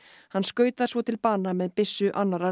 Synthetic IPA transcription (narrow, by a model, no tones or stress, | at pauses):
hanːskœːɥt̪vasvɔt̪ʰɪlpaːnamɛðpɪsːʏʔanːaɾa